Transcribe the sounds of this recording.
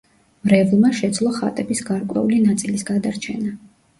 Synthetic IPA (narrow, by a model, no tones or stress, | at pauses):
mɾɛvlˠmaʃɛd̪zlˠɔχa̰t̪ʼɛbisɡaɾkʼwɛ̰ulinat̪sʼilisɡad̪aɾt͡ʃʰɛna